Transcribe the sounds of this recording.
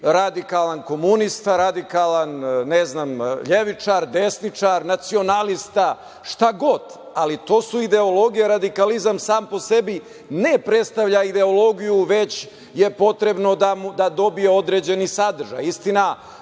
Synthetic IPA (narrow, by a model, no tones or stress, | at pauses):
ɾad̪ikalanko̞munist̪aɾad̪ikalanneznaːmʎeʋit͡ʂaɾd̪e̞snit͡ʂaɾnat̪sio̞nalist̪a | ʃt̪aɡo̞d̪ | alit̪o̞ːsuid̪e̞olˠo̞ɡijeɾad̪ikalizamsaːmpo̞se̞bi | ne̞pɾe̞t̪st̪aʋʎaid̪e̞olˠo̞ɡijuʋe̞t͡ɕ | je̞po̞t̪ɾe̞bno̞d̪amud̪ad̪o̞bijeo̞d̪ɾeːd͡ʑe̞nisad̪r̩ʒa̰jist̪ina